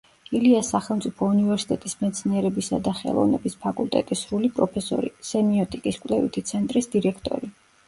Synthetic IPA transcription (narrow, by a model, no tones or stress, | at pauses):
iliasːaχɛlˠmt̪sʼipʰɔunivɛɾsi̥t̪ʼɛt̪ʼismɛt̪sʰniɛɾɛbisad̪aχɛ̰lˠɔ̰vnɛ̰bispʰakʼulˠt̪ʼɛ̰t̪ʼisɾulipʼɾɔpʰɛsɔ̰ɾḭsɛmiɔt̪ʼikʼiskʼwlɛvḭt̪ʰit̪sʰɛnt̪ʼɾisd̪iɾɛkʰt̪ʼɔ̰ɾi